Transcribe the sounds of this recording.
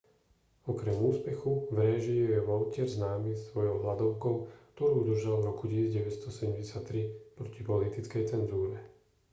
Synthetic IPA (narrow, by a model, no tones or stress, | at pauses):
ɔkɾɛmuːspɛxuʋɾɛʒiujɛʋɔʊcɪɛɾznaːmiːsʋɔjɔʊɦlad̪ɔʊkɔʊkt̪ɔɾuːud̪r̩ʒalvɾɔkucisid͡zɟɛʋɛst̪ɔsɛɟɛmɟɛsjat̪ːɾipɾɔcipɔlit̪it͡skɛjt͡sɛnzuːɾɛ